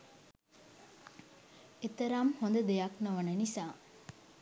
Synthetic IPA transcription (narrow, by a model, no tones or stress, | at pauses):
et̪ɐɾamhond̪ɐd̪ejaknoʋɐnɐnisaː